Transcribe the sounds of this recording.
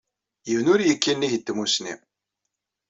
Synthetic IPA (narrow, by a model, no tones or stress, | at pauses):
jəvnʊɾjəkːinːiçət̪ːmusnḭ